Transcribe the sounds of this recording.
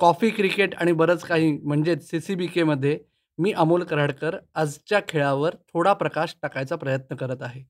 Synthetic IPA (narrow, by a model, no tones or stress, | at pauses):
kɔfiːkɾikeʈa̰ɽ̃ibəɾət͡skaɦiːm̤əɳd͡zet͡ssisibikeməd̪ʱːje | miːʔəmolkəɾaɽkəɾəd͡zt͡ɕjakʰeɭaʋəɾt̪ʰoɽapɾəkaɕʈakajt͡sapɾəjət̪nəkəɾət̪aɦe